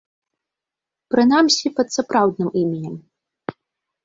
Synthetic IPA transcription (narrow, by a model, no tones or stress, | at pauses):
pɾɨnamsʲipɐt̪sapɾawd̪̚nɨmimʲinʲɛm